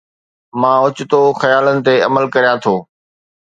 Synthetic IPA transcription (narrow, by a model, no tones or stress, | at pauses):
mãːʊt͡ɕɪt̪oːxɐjaːlənɪ̆t̪eɐməlkɐɾjãt̪ʰoː